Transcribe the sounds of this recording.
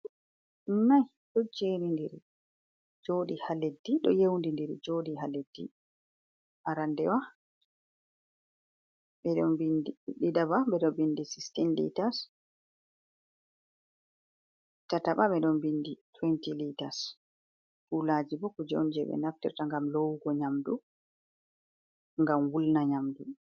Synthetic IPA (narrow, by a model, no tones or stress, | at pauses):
naj | ɗɔd͡ʒenindiɾ | d͡ʒoːɗihaledːiɗɔjewndindiɾid͡ʒoɗiɦaledːḭ | ʔaɾandɛwa | ɓɛɗɔnbindiɗiɗabaɓɛɗɔbindisi̥stinlḭtas | tataɓaɓɛɗɔnbinditwɛntilitas | kulad͡ʒibɔkɔd͡ʒo̰nd͡ʒɛɓɛ̰naftɛɾtaŋɡamlowɡɔɲamdu | ŋɡamwulnaɲamdu